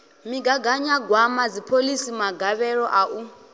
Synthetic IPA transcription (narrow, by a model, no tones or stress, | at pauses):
miɡaɡaɲaɡwamad͡zipʰolisimaɡaβɛɺɔʔaʔu